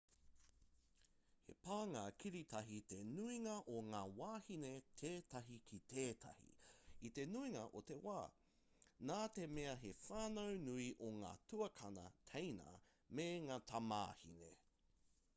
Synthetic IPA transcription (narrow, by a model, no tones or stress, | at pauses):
hḛpaːŋaːkʰiɾitʰɐɦit̪enuiŋɐʔoŋaːwaːhinetʰeːtɐɦikʰit̪ʰeːtʰɐ̰hḭit̪e̞nuiŋɐʔot̪e̞waː | naːtemeɐɦefaːnownuiʔoŋa̰ːtʰuɐkʰɐnɐ̰tʰejnɐ̰ | meŋaːtʰama̰ːhḭnḛ